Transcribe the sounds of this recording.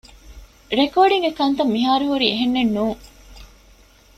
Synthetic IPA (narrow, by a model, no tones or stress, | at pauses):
ɾekoːɖiŋɡekɐnt̪ɐmːiɦaːɾuɦuɾieɦenːenːuːŋ